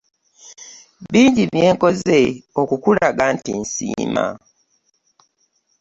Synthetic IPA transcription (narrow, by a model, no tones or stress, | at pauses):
βiːɲɟiβje̞ːŋko̞zeo̞kukulaɡantinsḭːma̰